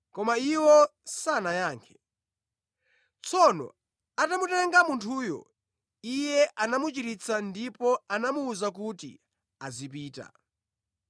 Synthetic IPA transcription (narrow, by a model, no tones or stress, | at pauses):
kɔmaiwɔsanajaːŋkʰɛ̥ | t͡sʰɔnɔ̰ | atamutɛŋɡamuntʰuːjɔ̰ | ijɛʔanamut͡ʃiɾit͡sʰandipɔanamuːzak̬utḭ | azip̬iːta̰